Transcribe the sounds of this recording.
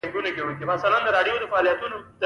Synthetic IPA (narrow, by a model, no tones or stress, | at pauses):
ɡunakewəkibasaland̪əɾɑɖjod̪əfaːlijat̪unod̪